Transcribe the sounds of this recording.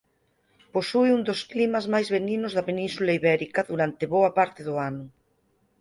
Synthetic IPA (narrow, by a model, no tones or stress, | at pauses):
posujund̪osklimɐzmajzβeninozðɐpenĩnsulaiβɛɾikɐðuɾant̪eβoɐpaɾt̪ɪðoanʊ